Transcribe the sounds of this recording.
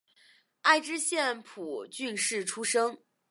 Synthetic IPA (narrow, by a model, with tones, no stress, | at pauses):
a˥˧˩ɪʈ͡ʂɻ̩˥ɕjɛ˥˩npʰu˨˩t͡ɕy˥˧nʂɻ̩˥˩ʈ͡ʂʰu˥ʂɤ˥ŋ